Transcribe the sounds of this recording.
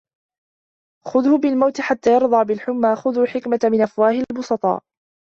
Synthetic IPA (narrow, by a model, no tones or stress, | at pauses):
xʊðhʊbɪlmawt̪ɪħat̪ːaːjɑɾˤd̪ˤɑːbɪlħʊmːaːxʊðʊːħɪkmat̪mɪnʔafwaːhɪlbʊsˤɑt̪ˤɑ̰ː